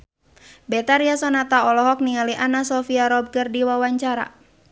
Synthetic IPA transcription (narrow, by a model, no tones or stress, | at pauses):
bɛt̪aɾiasɔnat̪aɔlɔɦɔk̚niŋaliʔanasɔfiaɾɔb̚ɡərdiwawaɲt͡ʃaɾa̰